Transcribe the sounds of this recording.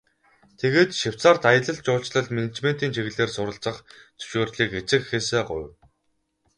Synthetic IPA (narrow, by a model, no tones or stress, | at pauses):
t̪ʰeɣeːt̪ʃɪw̥t͡saːrt̪ajə̆ɮə̆ɮt͡ɕʊːɮt͡ɕɮə̆ɮmenet͡ɕmen̥t̪iːnt͡ɕʰeɣɘ̆ɮeːrsʊɾə̆ɬt͡sə̆χt͡sɵ̥ʃoːrɮiːket͡sɘ̆kxeːseːɢʊ̰jw